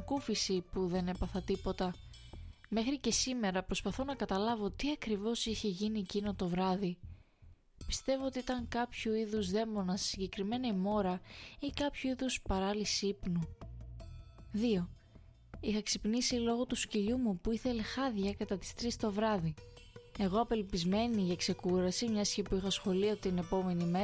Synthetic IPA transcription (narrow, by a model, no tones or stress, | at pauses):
kufisipuðe̞ne̞pɐθɐt̪ipo̞t̪ɐ | me̞xɾice̞sime̞ɾɐpɾo̞spɐθo̞nɐkɐt̪ɐlɐvo̞t̪iɐkɾivo̞siçe̞ʝinicino̞t̪o̞vɾɐði | pi̥st̪e̞vo̞ot̪iit̪ɐŋkɐpçuiðuzðe̞mo̞nɐssiɲɟe̞kɾime̞nɐimo̞ɾɐikɐpçuiðuspɐɾɐlisipnu | ðio̞ | ixɐksipnisilo̞ɣo̞t̪usciʎumupuiθe̞lexɐðʝɐkɐt̪ɐt̪i̥st̪ɾist̪o̞vɾɐðie̞ɣo̞ɐpe̞lpizme̞niʝɐkse̞kuɾɐsimɲɐsçipuixɐsxo̞lio̞t̪ine̞po̞me̞nime̞